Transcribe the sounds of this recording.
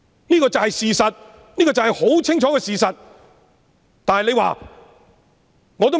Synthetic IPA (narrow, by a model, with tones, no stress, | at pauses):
niː˥kɔː˧t͡sɐ˨whɐ˨jsiː˨sɐ˨t̚ | niː˥kɔː˧t͡sɐ˨whɐ˨jho˨˥wt͡sʰɪ˥ŋt͡ʃʰɔː˨˥kɛ˧siː˨sɐ˨t̚ | t̪aː˨nhɐ˨jle˨˧jwa̰ː˨ | ŋɔ˨˧t̪o˥